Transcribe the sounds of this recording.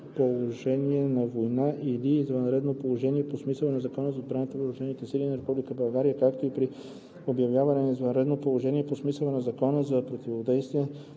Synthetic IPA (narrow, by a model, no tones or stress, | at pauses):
polˠoʒɛniɛnɐvojnaʔiliːzvɐnɾɛd̪nopolˠoʒɛniɛposmisɛlˠɛnɛzɐkɔnəzɐod̪bɾanət̪əvəɾuʒɛnit̪ɛsilinɐɾɛpublikəbɐlˠɡaɾijəkakt̪oipɾi | objɐvjavənɛnizvɐnɾɛd̪nopolˠoʒɛniɛposmisəlˠənɛzɐkɔnəzɐpɾot̪ivod̪ɛjst̪viɛ